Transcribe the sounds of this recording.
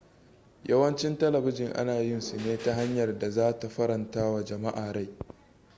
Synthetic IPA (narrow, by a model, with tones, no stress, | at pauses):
jɐ˦wɐ˦nt͡ʃɪ˦ntɐ˦lɐ˨bɪ˦d͡ʒɪ˨ŋʔa̰˦naː˨jɪ˦nsu˨neː˦ta˦ɦa˦ɲjɐ˨rda˨zaː˦ta˨ɸɐ˦ɾɐ˨ntaː˦wa˨d͡ʒɐ˨ma˦ʔaː˨ɽa˦˨j